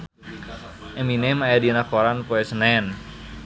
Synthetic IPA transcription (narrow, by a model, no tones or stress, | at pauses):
ʔɛminemajadinakoɾanpoesənɛn